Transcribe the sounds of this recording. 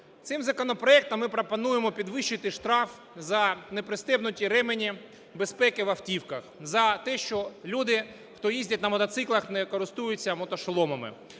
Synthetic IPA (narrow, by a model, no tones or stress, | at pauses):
t̪sɪmzɐkɔnɔpɾɔɛk̚t̪ɐmːɪpɾɔpɔnujemɔpʲid̪ʋɪʃːɪt̪ɪʃt̪ɾɑf | zɐnepɾɪst̪ɛbnʊtʲiɾɛmenʲi | bespɛkɪʋɐftʲiwkɐxzɐt̪ɛʃt͡ʃɔlʲud̪ɪ | xt̪ɔjizʲdʲɐt̚ʲnɐmɔt̪ɐt̪sɪklˠɐxnɛkɔɾɪst̪ujʊt͡sʲːɐmɔt̪ɔʃlˠɔmɐmɪ̰